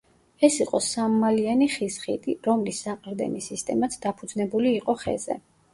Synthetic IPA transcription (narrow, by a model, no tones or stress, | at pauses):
ɛsiqʼɔsammalianiχisχit̪ʼiɾɔmlisːaqʼɾd̪ɛ̰nisist̪ʼɛmat̪sʰd̪apʰud̪znɛbuliːqʼɔχɛ̰zɛ̰